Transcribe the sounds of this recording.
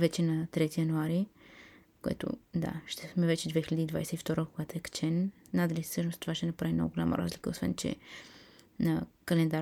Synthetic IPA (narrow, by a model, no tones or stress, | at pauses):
vɛt͡ʃɛnɐt̪ɾɛt̪ijɐnuaɾi | koɛ̰t̪o̰d̪a̰ʃt̪ɛsmɛvɛt͡ʃɛd̪vɛxilʲəd̪iːd̪vajsɛift̪ɔɾəkoɡat̪oɛkt͡ʃɛnː | ad̪əlissəʃnost̪ovaʃt̪ɛnɐpɾavimno̰ɡɡolʲa̰mʔə̰ɾʔa̰zlikəosvɛ̰nt͡ʃɛ̰ | nɐkɐlɛnd̪aɾ